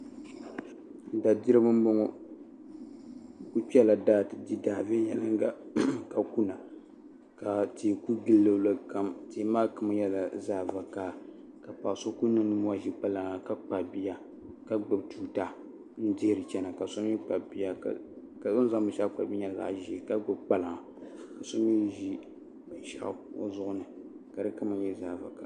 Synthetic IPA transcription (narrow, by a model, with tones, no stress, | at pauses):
da˨di˦ɾɨ˦bɨ˦m˦bo˦ŋɔ˦ | ku˦k͡pɛ˦la˨daː˦˨tɨ˨di˦daː˨ve˦jɛ˨lɨ˦ŋ˦ɡa˦ka˨ku˦na˨ | ka˨teː˨ku˦ɡɨ˦lːɨ˨lɨ˨ka˦mte˨˦maː˦kɨ˨m˦jɛ˦la˨zaː˦˨va˨kaː˦ | ka˨pa˨so˦ku˦nɨ˦nɨ˦m˦a˦ʒi˦k͡pa˦la˨ŋa˨ka˦k͡pa˨bi˦ja˦ | ka˦ɡ͡bɨ˨btuː˨ta˦ | n̩˦dɪ˦hɾɨ˨t͡ʃɛ˦na˨ka˨so˦m˦i˦k͡pa˨bi˦ja̰˦˨ | ka˨so˦n˦za˦ŋ˦mɨ˨ʃa˦k͡pa̰˨bi˦ɲa˦˨za̰˦˨ʔʒi˦˨ka˦ɡ͡bɨ˦b̚k͡pa˦la˨ŋa˨ | ka˨so˦m˦i˦ʒi˦˨ | ʃa̰˦ʔzʊ˦ʔʊ˦nɨ˨ | ka˨ɾɨ˦kɨ˦ma˨˦ɲjɛ˦zaː˨va̰˨ka̰˦